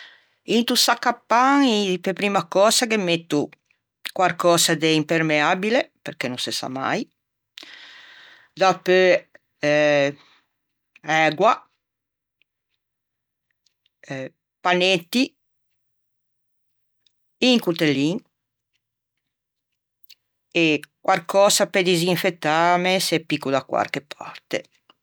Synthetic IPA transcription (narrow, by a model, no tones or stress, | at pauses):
int̪usakːapːaŋipepɾimakɔːsakemet̪ːu | kwaɾkɔːsad̪eimpeɾmeabilepeɾkenuŋsesa̰ma̰j | d̪apø | ɛɡwa | panet̪ːi | iŋkut̪elːiŋ | ekwʔalkɔːsaped̪iziɱfet̪ːamesɛpːikud̪akwa̰rkepʰa̰rt̪ḛ